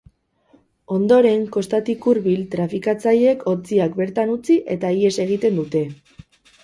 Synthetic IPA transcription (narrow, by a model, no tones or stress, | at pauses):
o̞nd̪o̞ɾe̞ŋko̞st̪at̪ikuɾβilt̪ɾafikat͡saje̞kʰo̞t͡siakbe̞ɾt̪anut͡siʔe̞t̪aie̞se̞ɣ̞it̪e̞nd̪ut̪e̞